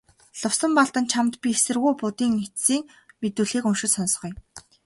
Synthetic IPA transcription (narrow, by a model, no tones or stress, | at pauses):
ɮʊwsə̆mpɔɮt̪ə̆nt͡ɕʰamt̪pʲiesɘ̆rɣujpʊt̪iːŋnet̪siːŋ | met̪uːɮiːkɵnʃɪ̆ɮsɔns̆χɞ̆j